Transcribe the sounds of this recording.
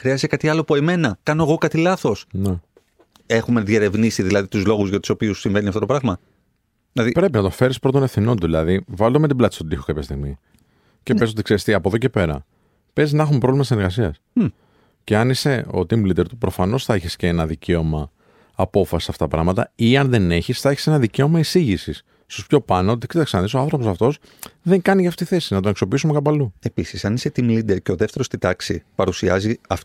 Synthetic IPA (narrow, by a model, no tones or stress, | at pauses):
xɾiɐzit̪ekɐt̪iɐlopueme̞nɐkɐnoɣo̞kɐt̪ilɐθo̞sne | e̞xume̞ðje̞ɾe̞vnisiðilɐðit̪uzlo̞ɣuzʝɐt̪u̥so̞piusiɱve̞niɐft̪ot̪opɾɐɣmɐ | ðilɐðipɾe̞pinɐt̪ofe̞ɾispɾo̞t̪o̞nefθino̞nt̪uðilɐðivɐld̪omet̪iblɐt̪st̪ot̪içokɐpçɐst̪iɣmi | ceezt̪ot̪ikseɾist̪iɐpoðo̞ce̞pe̞ɾɐ̰ | pe̞ziznɐxumpɾolimɐsneɾɣɐsiɐs | ceɐnise̞o̰t̪imlid̪e̞ɾt̪upɾo̞fɐno̞sθɐeçisceenɐðice̞o̞mɐː | po̞fɐsi̥sɐft̪ɐt̪ɐpɾɐ̰mɐt̪ɐiɐnðe̞ne̞çisθɐeçi̥se̞nɐðice̞o̞mɐisiʝisis | st̪ospço̞pɐnoot̪iksit̪ksɐnðisoɐnθɾo̞po̞sɐft̪o̞s | ðeŋkɐnicɐft̪eit̪iθe̞sinɐt̪onekso̞piisumekɐpɐlue̞pisisɐniset̪imlid̪eɾceo̞ðeft̪eɾo̞st̪it̪ɐksipɐɾusiɐziɐf